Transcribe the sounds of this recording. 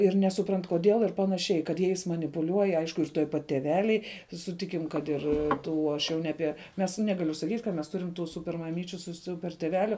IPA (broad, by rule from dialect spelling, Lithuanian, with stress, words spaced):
ɪr nʲɛsʊˈprɐnt koːˈdʲeːlˠ ɪr pɐnɐˈʃʲɛɪ kɐt ˈjɛɪs mɐnʲɪpʊˈlʲuɔj ˈɐɪʃkʊ ɪr tuɔj pɐt tʲɛˈʋʲæːlʲɛɪ sʊˈtʲɪkʲɪm kɐt ˈɪr ˈtuː ˈɐʃ jɛʊ nʲɛ ˈɑːpʲiɛ mʲɛs ˈnʲæːɡɐlʲʊ sɐˈkʲiːtʲ kɐt mʲɛs ˈtʊrʲɪm tuː ˈsʊpʲɛr mɐˈmʲiːt͡ʃʲʊ sʊ ˈsʊpʲɛr tʲeːˈʋʲæːlʲʊ